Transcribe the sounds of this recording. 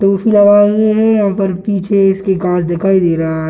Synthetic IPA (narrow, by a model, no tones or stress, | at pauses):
ʈoːfʰilɐʋaːzeɦẽjɐɦãːpəɾpiːt͡ʃʰeɪskeɡãːt͡ʃʰd̪ɪkʰaːid̪eːɾaaɦ